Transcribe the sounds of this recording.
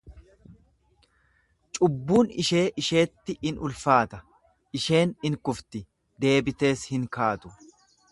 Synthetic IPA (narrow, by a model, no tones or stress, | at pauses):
t͡ʃʼʊbːuːnɪʃe̞ːʔɪʃe̞ːt̪ːɪɪnʊlfaːt̪ɐ | ʔɪʃe̞ːnɪŋkʊft̪ɪ | d̪e̞ːbɪt̪e̞ːshɪŋkaːt̪ʊ